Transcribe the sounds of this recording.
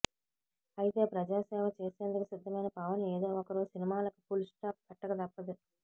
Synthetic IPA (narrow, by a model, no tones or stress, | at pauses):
ɐjit̪e̞ːpɾɐd͡ʒaːsɛːʋɐt͡ʃe̞ːseːnd̪ukusid̪ʱːɐmɐjnɐpɐʋɐneːd̪o̞ːɔkɐɾuːsinimaːlɐku̥pulsʈaːp̚pɛʈːɐɡɐd̪ɐpːɐd̪i